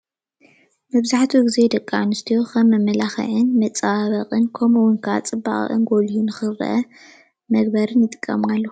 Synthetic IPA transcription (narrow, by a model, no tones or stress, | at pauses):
mɐbzaħt̪ʰuɡized̪ɐkʼːanɨst̪ʰijoxʰɐmːɐmːɐlaxɐ̰ʕɨnmɐt͡sʼaβɐqʼɨnkʰomuwʊnkʰa̰t͡sʼɨbːa̰χʼʔɨ̰nɡolijunɨxɨɾɨ̰ʔɐ | mɐɡ̚bɐɾɨnjɨt̪ʼɨ̥kʼːɐ̰malːo